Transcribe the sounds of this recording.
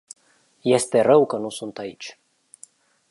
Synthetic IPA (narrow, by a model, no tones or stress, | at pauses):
je̞st̪e̞rəwkənusunt̪ait͡ʃʲ